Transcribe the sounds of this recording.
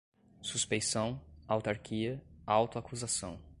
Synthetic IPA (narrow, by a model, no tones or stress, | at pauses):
suspejsɐ̃w̃awt̪aɾkʰiɐawt̪ʊakuzasɐ̃w̃